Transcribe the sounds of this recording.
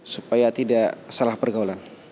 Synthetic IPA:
supajat̪idasalahpərɡaulan

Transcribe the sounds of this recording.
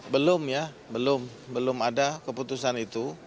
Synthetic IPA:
bəlʊmja | bəlʊm | bəlʊmadakəput̪usanit̪u

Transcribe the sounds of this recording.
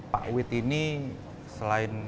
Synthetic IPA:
pa̰ʔuwɪt̪ini | səlaɪn

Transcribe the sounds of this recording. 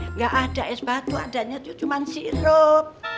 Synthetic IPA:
ŋɡaʔad̥a̤ʔɛsbat̪ua̰daʔɲat̪ut͡ʃumansiɾop̚

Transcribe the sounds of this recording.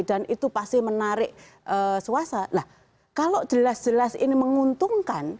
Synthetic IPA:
d̥anit̪upast̪ɪmənaɾɪʔ | ʔəsuasalah | kaloʔd͡ʒ̥əlasd̥d͡ʒ̥əlasḭniməŋunt̪uŋkan

